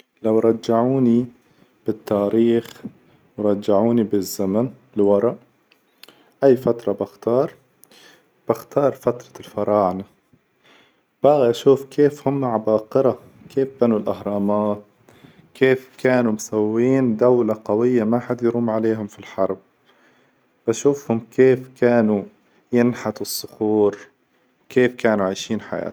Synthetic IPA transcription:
lawɾˤɑd͡ʒːaʕuːni | b̥ɪt̪ːaːɾiːx | wɾˤɑd͡ʒːaʕuːnibɪzːamanɪlwɑɾˤɑʔ | ʔajːfat̪ɾˤɑbaxt̪ɑːɾˤ | b̥axt̪ɑːɾˤfat̪ɾˤɑ̥lfɑɾˤɑːʕna | b̥aːɣaʔaʃuːfkʰeːfhʊmːʕabɑːqɨɾa | kʰeːfbanulʔahɾˤɑːmaːt̪̚ | keːfkʰaːnumsawːiːnd̪awlaqawɪjːamaħad̪jɾuːmʕaleːɦʊmfilħɑɾˤb̚ | b̥aʃuːfhʊmkʰeːfkʰaːnu | jɪnħat̪ɨsˤːʊxuːɾ | kʰeːfkaːnuʕajʃiːnħa̰ja̰ː

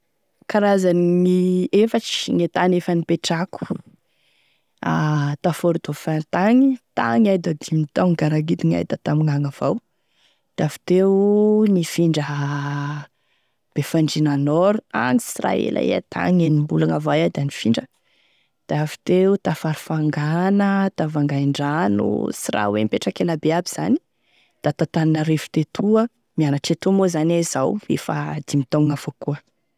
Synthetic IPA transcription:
kaɾazaniefaʈ͡ʂi̥ŋet̪anefanipeʈ͡ʂaku̥ | at̪afoɾud̪̥ofant̪aŋit̪a̰ŋajd̪ad̪imit̪aŋɡaɾaɡid̪iŋa̰jd̪ət̪amiŋaŋav̥aw | d̪̥afi̥t̪eunifiɳɖ͡ʐəɦ | b̥efaɳɖ͡ʐinanɔɾua̰ŋisira̰ḛlʔa̰ḛa̰t̪ʰa̰ŋenimbulaŋavajad̪anifiɳɖ͡ʐə | d̪̥aafi̥t̪eut̪afaɾufaŋɡanət̪avaŋɡajɳɖ͡ʐanṵsira̰wḛmpeʈ͡ʂakeləbeabiz̥ani̥ | d̪̥at̪at̪aninəɾefu̥t̪et̪ʰuə | mianaʈ͡ʂet̪umozanezawḛfad̪̥imit̪aŋafokuə

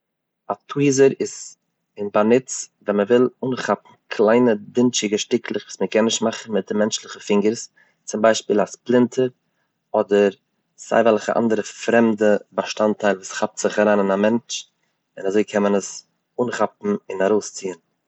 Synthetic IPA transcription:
atʰuizəɾɪz | ɪnbanɪt͡svɛnməvɪlˠuːnχapm̩kʰlˠaɪnədɪnt͡ʃɪɡəʃtɪkʰlˠɪχvuːsməkʰɛnːɪʃtmaχn̩mɪt̚dɪmɛnt͡ʃlˠɪχəfɪŋɡəɾs | t͡sʊmbaɪʃpiːlˠasplˠɪntʰəɾ | ɔdəɾ | z̥a̰ɪvɛlˠχə̰ʔa̰ndəɾəfɾɛmdəbaʃtantaɪlˠvuːsχap̚tz̥ɪχaɾaːnɪnamɛnt͡ʃ | ɪnazoɪkʰɛmənəs | uːnχapm̩ɪnaɾoʊst͡siːən

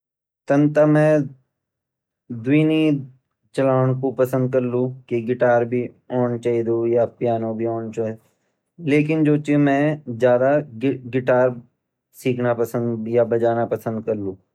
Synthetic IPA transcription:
t̪ɐnt̪amɛ̃ː | d̪ʊiːni | t͡ʃɐlaːʋɽ̃kopɐsə̃nd̪̚kɐɾlũːkiɡɪʈaːɾbʱi | oːnt͡ʃaːid̪ujapjaːnõbʱioːnt͡ʃaːid̪ | leːkɪnd͡ʒoːt͡ʃemɛ̃ːd͡ʒjaːd̪aɡɪʈaːɾ | siːkʰnapɐsə̃nd̪jabɐd͡ʒaːnapɐsə̃nd̪kɐɾlũː

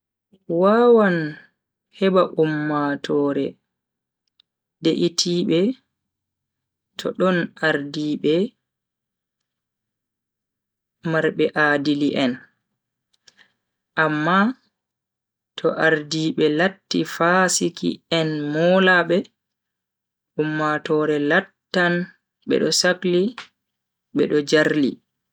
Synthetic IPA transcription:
wawan | hɛbaʔumːatʰɔːɾɛ | deʔitʰiːɓɛ | tʰɔ̰ɗɔnaɾdiːɓɛ | maɾɓɛʔadiliʔɛn | ʔamːa | tʰɔʔaɾdiɓɛlatːifasikḭɛnmɔlaɓɛ | ʔumːatɔɾɛlatːan | ɓɛ̰ɗɔsakli | ɓɛ̰ɗɔd͡ʒaɾlḭ

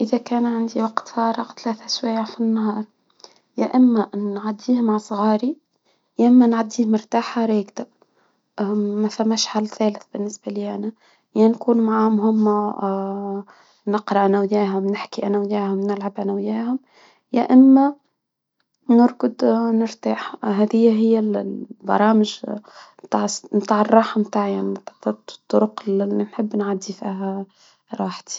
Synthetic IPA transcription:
ʔɪðækæːnʕand̪iwɑqt̪fɑːɾˤɑqt̪læːθæswaːafinːhɑːɾˤ | jaʔɪmːæʔnʕad̪ːiːhmaʕsˤɣɑːɾi | jaʔɪmːænʕad̪ːiːhmʊɾt̪aːħaɾˤeːɡd̪a | mæfæmːæʃhalθæːlɪθbɪnːɪsbaliːʔanæ | jænkuːnmaʕaːʊmhʊmːa | nɪqɾɑʔænæwjæːɦʊmnɪħkiʔænæwjæːhʊmnɪlʕabʔænæwjæːhʊm | jæʔɪnːæ | nʊɾˤkʊd̪nɪɾt̪aːħɦæːðɪjːæɦɪjːælbɑ̰ɾˤɑːmɪʒmt̪aːʕsmt̪aːʕərˤːɑːħmt̪aːʕjaʕniit̪at̪ˤːʊɾʊqllinħɪbːnʕad̪ːifiːɦæ | ɾˤɑːħt̪i̥

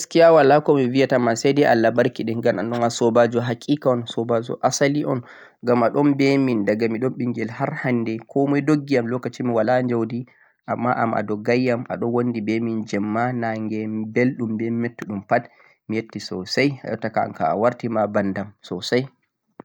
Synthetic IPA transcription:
skijawalakɔmivijatamasɛdɛʔalːabaɾkiɗɛɡananɗɔnasɔbad͡ʒɔɦakʼiːkaɔnsɔbad͡ʒɔ̰ʔasaliʔɔn | ɡamaɗɔnbɛmindaɡamiɗɔnɓiŋɡɛlhaɾhanːdɛkʰɔmɔjdoɡːijamlɔkːat͡ʃimiwalaɲd͡ʒawdi | ʔamːaʔa̰ma̰dɔɡajːama̰ɗɔnwondibemind͡ʒɛmːanaŋɡɛbelɗumbɛmɛtːuɗumpat | mijetːisɔsaja̰jɔ̰tːakaa̰nka̰a̰waɾtimabandamsɔsaj

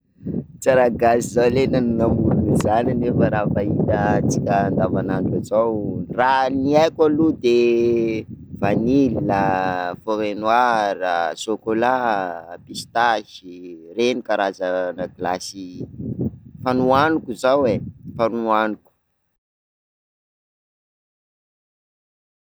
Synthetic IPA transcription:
t͡saɾaɡasizalenanunamulunizananefaɾafait̪at͡sikʲəːnd̪avananʈ͡ʂazawraniajkʲalud̪e | v̥anililafoɾenwaɾasokolapist̪aʃirenikaɾazənaɡilasi | fanuanukuzawefanuanuku̥

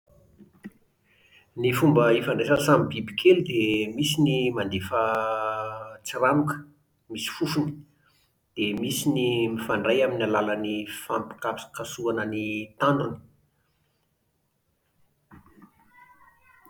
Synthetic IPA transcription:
nifumbəifaɳɖ͡ʐesasamibibikʰelud̪emisinimand̪efə | t͡siramukə̥ | misi̥fufuni̥ | d̪̥emisinimifaɳɖ͡ʐajaminalalanifampi̥kapskasuanənit̪aɳɖ͡ʐun

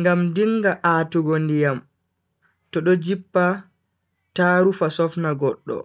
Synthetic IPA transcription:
ŋɡamdiŋːɡaʔaːtuɡondijam | tɔɗɔd͡ʒipːa | taːɾufasɔfnaɡɔɗːɔ̰

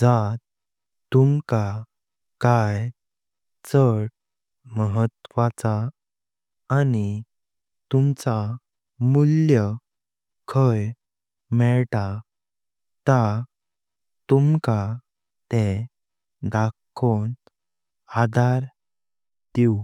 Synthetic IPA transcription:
d͡zat̪ | t̪umka | kaj | t͡səɽ | məɦət̪ʋat͡sa | ni | t̪umt͡sa | muljə | kʰəj | mɛɭt̪a | t̪a | t̪umka | t̪ẽ | d̪akʰːon | ad̪ʱaɾ | t̪iu

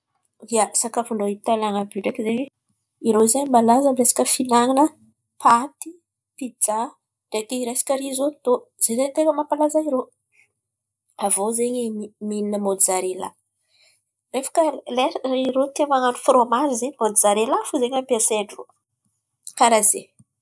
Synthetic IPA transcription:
d̪iasakafunoit̪alaŋabiɖ͡ʐekizeɲ | iɾoizeɲmbalazəmiɾesi̥kʲəfinaŋinə | pʰat̪i̥ | pid͡za | ɖ͡ʐekiɾesi̥kʲəɾizot̪oz̥ezeɲt̪eŋəmapalazaiɾo | avozeɲeimininəmod̪izaɾela̰ | refə̥kəleriɾot̪emaŋanufromaɾizemod̪izaɾelafuzeɲampiaseɖ͡ʐro | kaɾaze

